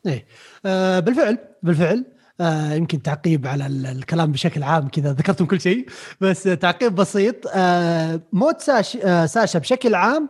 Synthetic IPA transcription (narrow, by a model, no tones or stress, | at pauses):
ʔeː | bɪlfɪʕlbɪlfɪʕl | jɪmkɪnt̪aʕqiːbʕalalkalaːmbɪʃaklʕaːmkɪd̪aðakɑɾˤt̪ʊmkʊlːʃeːbasːt̪ːaʕqiːbːɑsiːt̪ˤː | moːt̪saːʃsaːʃabʃaklʕaːm